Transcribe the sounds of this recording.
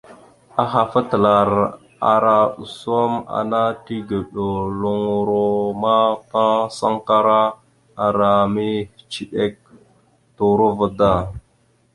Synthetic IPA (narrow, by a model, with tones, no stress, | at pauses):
a˨xa˨fə˦tə˨la˨ɾ | a̰˨ɾa˨u˨so˦ma̰˨na˦ti˦ɡə˨ɗo˨lu˨ŋu˨ɾo˦ma˦pa˦sa˦ŋka˦ɾa˦ | a˨ɾa˨mi˦˨t͡ʃi˦ɗe˦k̚ | tu˨ɾu˦və˦da˦˨